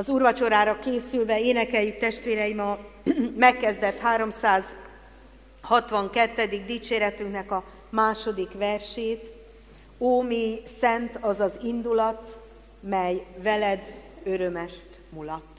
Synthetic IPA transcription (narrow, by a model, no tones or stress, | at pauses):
ɒzuːrvɒt͡ʃo̞ɾaːɾɒkeːsylvɛeːnɛkɛljyk̚t̪ɛʃt̪ʋeːɾɛjimɒmɛkːɛzd̪ɛt̪haːɾo̞msaːz | hɒt̪ʋɒŋkɛt̪ːɛd̪iɡ̚d̪iːt͡ʃeːɾɛt̪yŋknɛkɒ | maːʃo̞d̪ikʋɛrʃeːt̪ | oːmijsɛnt̪ɒzɒzind̪ulɒt̪ | mɛjvɛlɛd̪ø̞ɾømɛʃt̪ | mulɒt̪ː